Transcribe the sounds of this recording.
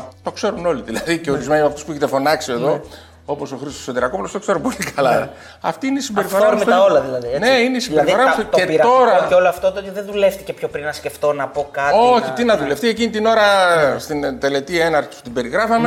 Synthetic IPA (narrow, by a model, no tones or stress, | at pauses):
t̪o̞kse̞ɾuno̞liðilɐðice̞o̞ɾizme̞nimɐft̪uspueçet̪efo̞nɐksie̞ðo̞ | o̞po̞so̞xɾist̪oset̪eɾɐko̞pulost̪okse̞ɾupo̞likɐlɐ̰ | ɐft̪iineisimbe̞ɾifo̞ɾɐmfɐolɐðilɐðineineisimbbeɾiðfo̞ɾɐt̪eɾo̞ɾɐoeoloɐft̪ot̪oot̪iðenðule̞ft̪icepçopɾinnɐsce̞ft̪o̞nɐpo̞kɐo̞çit̪inɐðule̞ft̪ie̞cinit̪ino̞ɾɐst̪int̪e̞le̞t̪ienɐɾçi̥spu̥t̪ibe̞ɾiɣɾɐfɐme